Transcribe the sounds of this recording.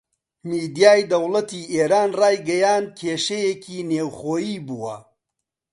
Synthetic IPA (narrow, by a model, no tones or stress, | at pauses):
miːd̪ijaːjd̪ɐwlɐt̪iːʔeːɾaːnraːjɡɐjaːnd̪̚kʰeːʃɐjekʰiːneːwxoːjiːbuwɐ̰